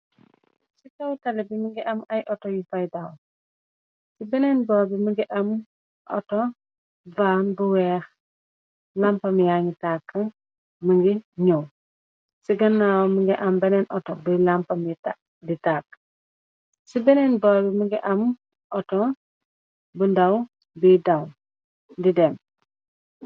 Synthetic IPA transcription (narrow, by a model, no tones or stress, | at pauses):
sitɐwtɐlɛbimiŋɡiʔɐmɐjʔɔtɔjifɐjdaw | sibɛnɛnbɔːbimiɡiʔɐm | ʔɔ̰tɔ | vaːnbuwɛːx | lampɐmjaŋitakːɐ | məŋɡiɲow | siɡɐnːaːwməŋɡiʔɐmbɐnɛnʔɔtɔbilampɐmita | ditaːkː | sibɛnɛnbɔːbiməɡiʔɐm | ʔɔtɔ | bundɐw | bidɐw | didɛm